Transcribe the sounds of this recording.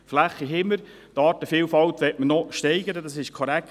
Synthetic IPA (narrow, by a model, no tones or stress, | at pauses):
flæχːiɦɪməɾ | tɑːtəfiːlwfɑltʋɛtmənɔʃtɛɪɡəɾədɑsɪʃkʰɔɾæk